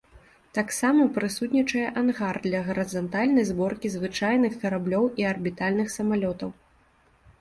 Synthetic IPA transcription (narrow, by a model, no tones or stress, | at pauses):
t̪aksamɐpɾɨsut̪ʲnʲit͡ʂɐjɛʔanɣard̪lʲɐɣɐɾɨzɐnt̪alʲnɐjzbɔrkʲizvɨt͡ʂajnɨxkɐɾablʲɔwiɐrbʲit̪alʲnɨxsɐmalʲɔt̪ɐw